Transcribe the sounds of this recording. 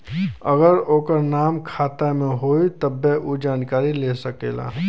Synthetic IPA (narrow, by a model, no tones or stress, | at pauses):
ɐ̰ɡəɾoːkəɾnaːmkʰaːt̪amẽɦoːit̪ɐbːeʔud͡ʒaːnkaːɾileːsəkḛːla̰ː